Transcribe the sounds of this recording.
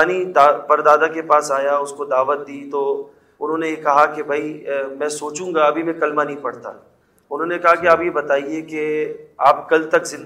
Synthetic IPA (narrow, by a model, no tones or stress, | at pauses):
aːnid̪aːpɐɾd̪aːd̪ãkepaːsaːjaʊskod̪aːʋət̪̚d̪iːt̪o | ʊnɦõːnejekɐɦakebʱɐimɛ̃ːsoːt͡ʃũːŋɡaɐbʱimɛ̃kɐlmanɐɦĩpɐɽt̪a̰ | ʊnɦõːnekɐɦakeaːpjebɐt̪aːiekeaːpkɐlt̪ɐkzɪ̃n